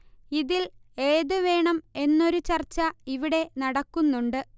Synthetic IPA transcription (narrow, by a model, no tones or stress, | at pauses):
iðile̞ːðɨʋe̞ːɳɐme̞nːo̞ɾut͡ɕɐrt͡ɕːɐiʋiɽe̞nɐɽɐkːunːuɳɖɨ